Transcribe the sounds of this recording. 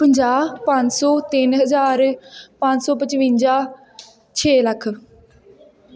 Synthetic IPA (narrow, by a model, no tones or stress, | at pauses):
pəɲd͡ʒaːpãɲt͡ʃsɔːt̪ɪnɦəzaːɾpãɲsɔːpət͡ʃʋɪ̃nd͡ʒaː | t͡ʃʰeːləkʰ